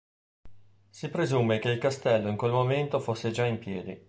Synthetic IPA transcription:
sipɾezumek̟eilkast̪ɛlːoiŋkwelmoment̪ofosːed͡ʒaimpjɛːd̪ḭ

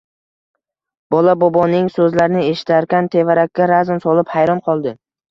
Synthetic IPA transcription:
b̥ɒlabɒbɒnɪŋsɵzlaɾnɪe̞ʃɪ̥t̪ʰaɾkʲant̪ʰe̞vaɾakʲːaɾazmsɒlɪphajɾɒnqʰɒlˠd̪ɪ

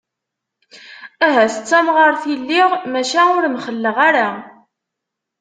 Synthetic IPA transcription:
æɦæsət͡sːæmʁəɾθilːɪʁmæʃænʊɾmχəlːəʁaɾa

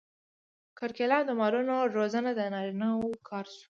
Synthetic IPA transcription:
kəɾkelɑnd̪əmɑɾunoɾozənad̪ənɑɾinawkʰɑɾsu̥

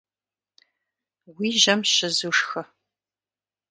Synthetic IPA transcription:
wiːʒɐmʃɪzuːʂxɐ

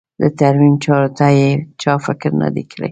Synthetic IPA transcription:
d̪ət̪aɾmimt͡ʃɑɾot̪ajet͡ʃɑfɪkɾna̰d̪ekʰəɽḛj

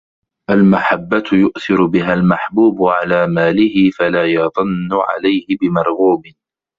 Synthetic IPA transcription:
ʔalmaħabːat̪jʊʔθɪɾʊbɪɦaːlmaħbuːbʊʕalaːmaːlɪhɪfalaːjɑðˤʊnːʊʕa̰lajhɪbɪmɑɾˤɣuːbɪ

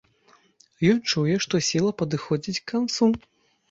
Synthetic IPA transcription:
jɔnt͡ʂujɛʂt̪ɔsʲilˠɐpɐd̪ɨxɔd͡zʲit͡sʲkːant̪su

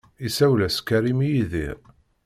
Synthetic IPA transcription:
isæwlæskæɾimijiðḭɾ

